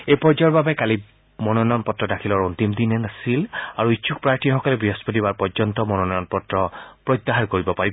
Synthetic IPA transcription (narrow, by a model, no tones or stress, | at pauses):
ejpɔɹd͡ʒaɹbabɛkali | mɔnɔnɔnpɔtɹɔdakʰilɔɹuntimd̪inɛnasilaɹuit͡ʃʰuk̚pɹaɹtʰixɔkɔlɛbɹiɦɔspot̬ibaɹpɔɹzɔntɔmɔnɔnɔjɔnpɔtɹɔpɹɔjt̪ːaɦaɹkoɹibɔpaɹib